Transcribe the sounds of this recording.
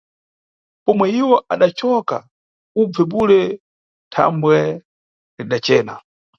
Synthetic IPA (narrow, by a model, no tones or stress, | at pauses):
pɔmwɛiwɔʔaɗat͡ʃɔka̰ | ub͡vɛɓulɛ | tʰa̰mbwɛ | liɗat͡ʃɛːna